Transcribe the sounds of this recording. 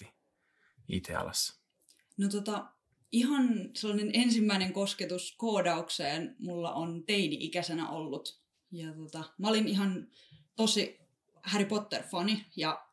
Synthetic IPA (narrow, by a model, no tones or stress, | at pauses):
i | ḭt̪ʰḛɑ̰lɑ̰sːɑ̥ | not̪ot̪ɑ | ihɑnselːɑnenensimːæineŋkosket̪uskoːdɑukseːnmulːɑ̰ʔont̪einiʔikæsenæ̰ʔolːut̪ | jɑt̪ot̪ɑmæoliniɦɑn | t̪osi | hæripot̪ːerfɑnijɑ